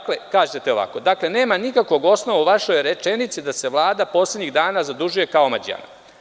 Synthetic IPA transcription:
klekaːʒet̪eo̞ʋa̰ko̞d̪akle̞ne̞ːmanikakʋo̞ɡo̞sno̞ʋauʋaʃo̞jɾet͡ʃenit̪sid̪ase̞ʋlˠaːd̪apo̞ːsledɲiɣd̪aːnazad̪uʒuje̞kaomad͡ʑia̰na̰

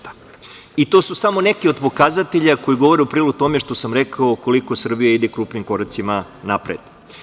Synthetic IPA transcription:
it̪o̞susamo̞ne̞kiod̪po̞kazat̪eʎako̞jiɡo̞ʋo̞ɾeupɾiːloɡ̚t̪o̞meʃt̪o̞samɾekaouko̞liko̞sr̩bijaid̪ekɾuːpnimko̞ɾat̪simanapɾed̪̥

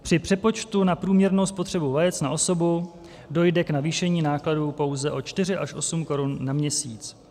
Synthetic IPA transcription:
pr̥ɪpr̥ɛpo̞t͡ʃt̪unapɾuːmɲɛɾno̞wspo̞t̪r̝̥ɛbuvajɛtt͡snaʔo̞so̞bu | do̞jdɛknaviːʃɛɲiːnaːkladuːpo̞wzɛʔo̞t͡ʃt̪ɪrɪʔaʃʔo̞sumko̞ɾunːamɲɛsiːt͡s

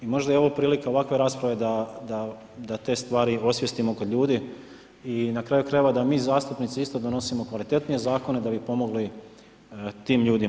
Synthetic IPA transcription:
imo̞ʒd̪ajeo̞ʋopɾiːlikao̞ʋakʋe̞ɾaːspɾaʋe̞d̪ad̪a | d̪at̪e̞ːst̪ʋaːɾio̞sʋjest̪imokod̪ʎʲuːd̪i | inakɾaːjukɾajeʋad̪amiːzaːst̪upnit̪siist̪od̪ono̞simo̞kʋalit̪e̞t̪nije̞zaːko̞ne̞d̪abipo̞mo̞ɡli | t̪iːmʎuːd̪i

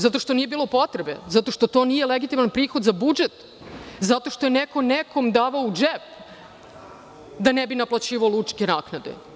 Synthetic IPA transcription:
zat̪o̞ʃt̪o̞nije̞biːlˠo̞po̞t̪ɾebe̞̰zat̪o̞ʃt̪ot̪o̞ːnijeleɡit̪imanpɾiːxod̪zabud͡ʒet̪ | zat̪o̞ʃt̪o̞jeneko̞neko̞md̪aːʋaod͡ʒep | d̪anebinaplat͡ɕiːʋaolut͡ʃkenaːknad̪ḛ

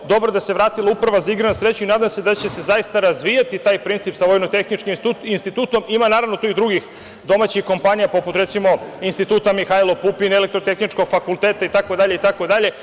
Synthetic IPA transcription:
d̪o̞bɾod̪aseʋɾaːt̪ilˠaupɾaʋazaiɡɾanasɾet͡ɕuinaːd̪amse̞d̪at͡ɕe̞se̞zaist̪aɾazʋijat̪it̪aːjpɾint̪sipsaʋo̞jnot̪exnit͡ʃkiinst̪it̪uːt̪o̞mimanaːɾaʋno̞t̪uid̪ɾuɡix | d̪o̞maːt͡ɕixko̞mpaɲijapo̞put̪ɾe̞t̪simo̞inst̪it̪uːt̪amixailopupinele̞k̚t̪ɾot̪e̞xnit͡ʃko̞ɡfakulˠt̪eːt̪ait̪akod̪aʎeit̪ako̞d̪aʎe̞

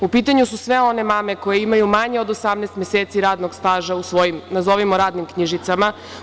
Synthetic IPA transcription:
upiːt̪aɲususʋeo̞ne̞mame̞ko̞jeimajumaɲeo̞d̪osamneːst̪mjeseːt̪siɾaːd̪no̞ɡst̪aːʒausʋo̞jimnazo̞ʋimoɾaːd̪nimkɲiʒit̪sama

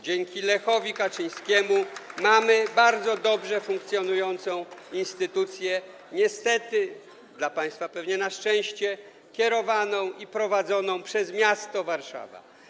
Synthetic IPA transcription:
d͡ʑɛŋkʲilɛxɔvʲikat͡ʂɘj̃skʲɛmumamɘbaɾd̪zɔd̪ɔbʐɛfuŋk̚t̪sʲjɔnujɔnt̪sɔ̃w̃inst̪ɘt̪ut̪sʲjɛ | ɲɛst̪ɛt̪ɘ | d̪lapaj̃st̪fapɛvɲɛnaʂt͡ʂɛ̃w̃ɕt͡ɕɛ | kʲɛɾɔvanɔ̃w̃ipɾɔvad̪zɔnɔ̃w̃pʂɛzmʲjast̪ɔvaɾʂa̰va̰

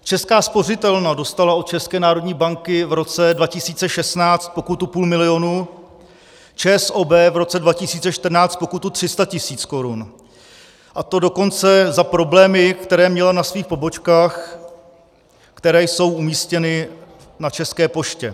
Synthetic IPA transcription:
t͡ʃɛskaːspo̞r̝ɪt̪ɛlnado̞st̪alao̞t̪̚t͡ʃɛskɛːnaːɾo̞dɲiːbaŋkɪvɾo̞t͡sɛdvacɪsiːt͡sɛʃɛsnaːt͡st̪̚po̞kut̪upuːlmɪlɪo̞nuː | t͡ʃɛːsʔoːbɛːvɾo̞t͡sɛdvacɪsiːt͡sɛʃt̪r̩naːt͡st̪po̞kut̪ut̪r̥ɪst̪acɪsiːt͡sko̞ɾun | ʔat̪o̞do̞ko̞nt͡sɛzapɾo̞blɛːmɪkt̪ɛɾɛːmɲɛlanasviːxpo̞bo̞t͡ʃkaːx | kt̪ɛɾɛːjso̞wʔumiːscɛnɪ | nat͡ʃɛskɛːpo̞ʃcɛ

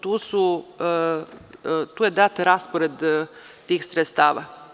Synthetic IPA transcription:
t̪uːsu | t̪uːjed̪at̪ɾaspoɾed̪ | t̪iːxsɾet̪st̪aːʋa̰

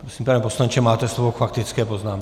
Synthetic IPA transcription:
pɾɔsiːmpaːnɛpɔslaɲt͡ʃɛmaːt̪ɛslɔʋɔkfakt̪it͡skɛːpɔznaːm

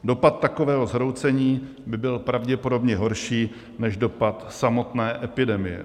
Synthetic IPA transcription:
do̞pat̪̚t̪ːako̞vɛːɦo̞zɦɾo̞wt͡sɛɲiː | bɪbɪlpɾavɟɛpo̞do̞bɲɛɦo̞ɾʃiː | nɛʒdo̞pat̪samo̞t̪nɛːʔɛpɪdɛmɪjɛ̰

